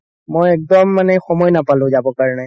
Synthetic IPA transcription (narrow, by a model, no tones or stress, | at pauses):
mojɛk̚dɔmːanɛxɔmɔjnapalʊ̃zabɔkaɹɔnɛ